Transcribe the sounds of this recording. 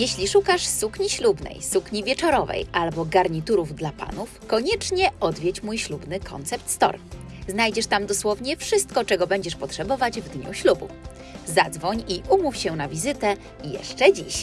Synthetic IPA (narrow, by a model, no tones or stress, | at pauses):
jɛɕlʲiʂukaʂsukɲiɕlubnɛ̰jsukɲivʲjɛt͡ʂɔɾɔvɛ̰jʔalbɔɡaɾɲit̪uɾuvd̪lapa̰nufkɔɲɛt͡ʂɲɛɔd̪vʲjɛt͡ɕmujɕlubnɘkʰɔ̰nt̪sɛp̚t̪st̪ɔ̰ɾ | znajd͡ʑɛʂt̪amd̪ɔswɔvɲɛfʂɘst̪̚kɔt͡ʂɛɡɔbɛɲd͡ʑɛʂpɔtʂɛbɔvad͡ʑvd̪ɲṵɕlubṵf | zad̪zvɔɲiʔumufɕɛnavʲizɘt̪ɛ | jɛ̰ʂt͡ʂɛd͡ʑḭɕ